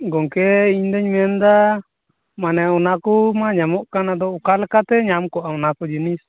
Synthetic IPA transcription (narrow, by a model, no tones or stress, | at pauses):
ɡɔŋkɛiɲd̪ɛɲmɛnd̪a | manɛunakumaɲamɔʔkanad̪ɔukalɛkat̪ɛɲamkɔʔaunakɔd͡ʒinis